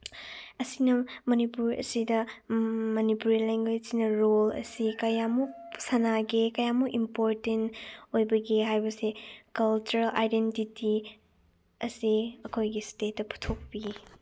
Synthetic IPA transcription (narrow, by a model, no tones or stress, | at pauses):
ɐsinɐmɐnipuɾɐ̰sidɐ | mɐnipuɾileŋɡweinɐɾolɐ̰sikɐjamuk̚sɐnaɡekɐjamuʔimpoɾtentojbɐɡiɦajbɐsekɐlt͡ʃuɾela̰jdentiti | ɐsiɐkʰojɡistet̚ːɐpʰu̥tʰok̚pi